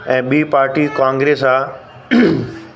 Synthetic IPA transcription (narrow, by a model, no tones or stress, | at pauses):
ɛ̃ːɓiːpaːɾʈikãːŋɡɾeːsaː